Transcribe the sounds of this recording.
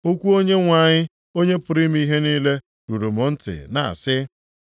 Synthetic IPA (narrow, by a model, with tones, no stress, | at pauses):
o˦kʷu˦o˦ɲe˦ŋʷa˨ɲɪ˦ | o˦ɲe˦pʊ˨ɾi˦m˦i˦ɦe˦ni˦le˦ | ɾu˨ɾu˨mʊ˨n̩˦tɪ̰˨na̰˨a̰˨sɪ˦